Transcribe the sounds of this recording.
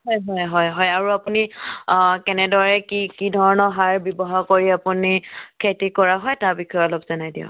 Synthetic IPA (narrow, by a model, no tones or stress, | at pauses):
ɦɔjɦɔjɦɔjɦɔjaɹuapuni | kɛnɛdɔɹɛkikidʱɔɹɔnɔɦaɹbjɔbɔɦaɹkoɹiapunikʰetikɔɹaɦɔjtaɹbikʰɔjɔlɔbzɔnajdiɔ̰